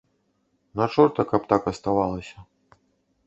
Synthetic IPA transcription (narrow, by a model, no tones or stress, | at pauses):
nat͡ʂɔrt̪ɐkapt̪akɐst̪avalˠɐsʲɐ